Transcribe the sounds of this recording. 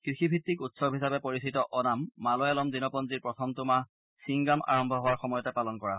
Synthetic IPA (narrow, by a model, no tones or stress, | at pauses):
kɹixibʱitːikutsɔbʱɦisapɛpoɹisitɔʔɔnamːalɔjalɔmzinɔpɔnziɹpɹɔtʰɔmtʊma | siŋɡama̰ɹɔmbʱɔɦowaɹxɔmɔjɔtɛpalɔnkɔɹa